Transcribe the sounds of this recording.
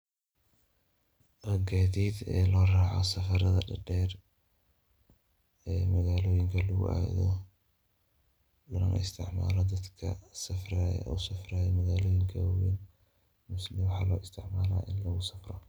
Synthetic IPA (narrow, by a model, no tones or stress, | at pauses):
ʔɐɡaːðid̪ɛːlɔːraːʕɔ̰sɐfɐɾɐðɐ̰ɖɐ̰ɖɛːr | ɛːmɐɣaːlɔːjɪŋkʰɐlɐɣʊ̰ʔa̰ːðɔ | ɪnɐ̰lʔɪst̪ʰɪʕma̰ːlɔd̪ɐd̪kʰɐ̰sɐfra̰ʔɔsɐfraːjɛmɐɣaːlɔːjɪŋkʰɐwwen | mɪslɛwɑħɑːlɔːɪst̪ʰɪʕmaːla̰ːʔɪnlɐɣʊsɐfrɔ